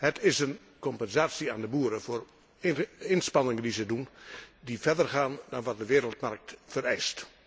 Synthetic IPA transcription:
hətʰɪsən | kɔmpənzaːsiaːndəbuːəɾəfoːr | ɪnspɑnɪŋəndizədundifɛrdərχaːndɑnʋɑt̚dəʋɪːɾəlˠtmark̚tfəɾɛjst

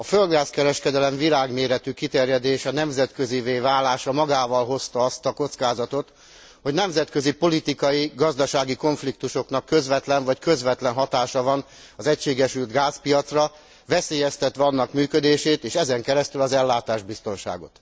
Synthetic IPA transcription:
ɒføld̪ɡaːskɛɾɛʃkɛd̪ɛlɛɱvilaːɡmeːɾɛt̪ykit̪ɛrjɛd̪eːʃɛnɛmzɛt̪kø̞ziveːvaːlaːʃɒmɒɡaːvɒlɦo̞st̪ɒɒst̪ɒko̞t̪skaːzɒt̪o̞t̪ | ho̞ɟnɛmzɛt̪kø̞zipo̞lit̪ikɒjiɡɒzd̪ɒʃaːɡiko̞ɱflik̚t̪uʃo̞kn̪ɒkːøzʋɛt̪lɛɱvɒckø̞zʋɛt̪lɛnɦɒt̪aːʃɒvɒn | ɒzɛcʃeːɡɛʃylt̪ɡaːspijɒt̪srɒ | vɛseːjɛst̪ɛt̪ʋɛɒnːɒkmyːkød̪eːʃeːt̪eːʃɛzɛŋkɛɾɛst̪ylɒzɛlːaːt̪aːʒbist̪o̞nʃa̰ːɡo̞̰t̪

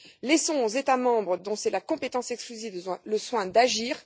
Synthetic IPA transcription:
lɛsɔ̃ozet̪amɑ̃bʁəd̪ɔ̃sɛlakɔ̃pet̪ɑ̃sɛksklyzivləswɛ̃d̪aʒiːʁ

